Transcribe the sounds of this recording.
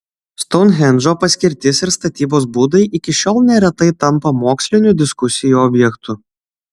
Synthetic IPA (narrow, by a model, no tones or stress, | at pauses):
st̪ɔʊnɦʲɛnʒopɐsʲkʲɪɾʲt̪ʲɪsɪɾst̪ɐt̪ʲiːboːsbuːd̪ɐɪʔɪkʲɪʃʲɔːlˠnʲɛɾʲɛt̪ɐɪt̪ɐmpɐmoːksʲlʲɪnʲud̪ʲɪskʊsʲɪjuɔbʲjɛkt̪ʰʊ